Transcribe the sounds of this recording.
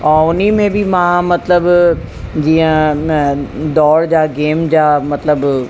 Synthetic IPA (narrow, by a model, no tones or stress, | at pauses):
ɔːʊnimẽbʱimãmɐt̪ləb | d͡ʑiːə̃ | d̪ɔːɽd͡ʑaːɡeːmd͡ʑaːmɐt̪ləb